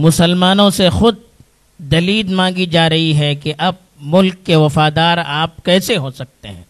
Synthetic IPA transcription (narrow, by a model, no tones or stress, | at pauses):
mʊsəlmaːnõsexʊd̪̚ | d̪ɐliːd̪mãːŋɡid͡ʒaːɾɐɦiɦɛkeʔɐb̚mʊlkːeʋɐfaːd̪aːɾa̰ːp̚kɛːseɦoːsɐk̚t̪ḛɦɛ̰̃ː